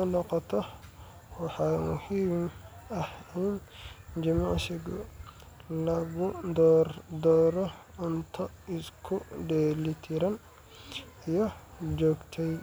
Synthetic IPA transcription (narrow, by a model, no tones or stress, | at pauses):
ʊnɔqɔt̪ʰɔ | wɑħɑːmʊ̰hiːmɐhɛjnd͡ʒɪmaʕʃɪɡʊ | lɐɣʊd̪ɔrd̪ɔːɾɔʊnt̪ʰɐɪskʰʊɖɛːlɪt̪ʰɪɾɐn | ijɔd͡ʒɔːɡt̪ʰɛj